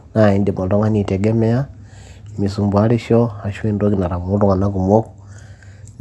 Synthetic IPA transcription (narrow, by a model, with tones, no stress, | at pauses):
na˨i˨ndi˨mo˨ndo˦ŋa˦ni˨te˨ɡe˦me˦a˦ | mi˨su˨mbwa˦li˦ʃo˦a˨ʃwe˦ndo˦ki˨na˨ɾa˨mu˦to˦ŋa˨na˦ku˨mwo˦k